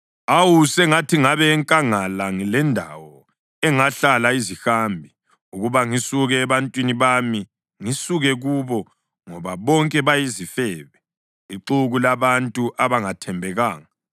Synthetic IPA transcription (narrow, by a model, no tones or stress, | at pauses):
awusɛŋatʰiŋaβɛːŋkʼaŋalaŋilɛndʱa̰wɔ | ɛŋaɬalaizixambʱi | uɣuβaŋisuɣɛːβantʼwiniβami | ŋisuɣɛɣuβɔ | ŋɔβaβɔŋkʼɛβajizifɛːβɛ | iǃuɣulaβantʼuʔaβaŋatʰɛmbʱɛɣaːŋa